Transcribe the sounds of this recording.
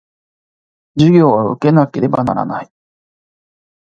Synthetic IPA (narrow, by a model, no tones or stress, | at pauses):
d͡ʑɨɡʲo̞ːβaɯ̟̰ke̞nake̞ɾe̞bana̰ɾa̰nai